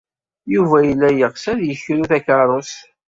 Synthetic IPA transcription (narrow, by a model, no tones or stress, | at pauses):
juvæjəlːæjəʁsæðjəçɾuθækɑɾˤos